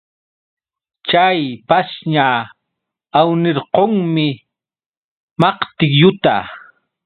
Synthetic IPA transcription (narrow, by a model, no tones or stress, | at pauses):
t͡ʃajpasɲa | awnɪɾqoŋmɪ | mɑqt̪ɪkjʊt̪a